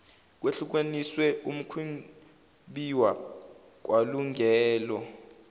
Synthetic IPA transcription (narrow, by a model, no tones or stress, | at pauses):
k̬weɬuk̬eniswɛum̩kʰwiŋ | ɓiwa | k̬ʼwʔaluŋʱɛːlɔ